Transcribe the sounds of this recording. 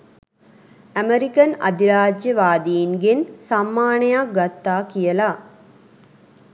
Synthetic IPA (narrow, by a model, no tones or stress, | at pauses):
ɐmeɾikɐnɐ̰d̪ʱiɾaːd͡ʒjɐʋaːd̪ijinɡensɐmːaːnɐjaɡɐt̪ːaːkijɐlaː